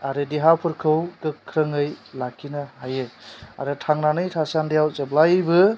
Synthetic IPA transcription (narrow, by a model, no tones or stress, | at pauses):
aɾɯdiɦawpʰɯɾkʰɯwkɯkʰːɾɯŋɯjlakʰːinaɦajea̰ɾɯtʰaŋnanɯjtʰasandijawzeblajbɯ